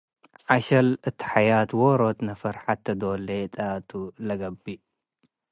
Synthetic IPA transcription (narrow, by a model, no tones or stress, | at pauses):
ʕaʃɐlɨt̪ʰi̥ħajat̪woɾot̪nɐfɐɾħat̪ːɐd̪olet̪ʼat̪ʰulɐɡɐbːi